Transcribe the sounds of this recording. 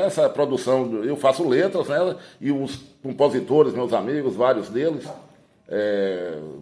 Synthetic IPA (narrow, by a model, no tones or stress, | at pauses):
ɛsɐpɾod̪usɐ̃w̃ewfasʊlet̪ɾɐznɛlɐɪʊskõpozit̪oɾɪzmewzamiɡʊzvaɾjʊzd̪elɪs | ɛ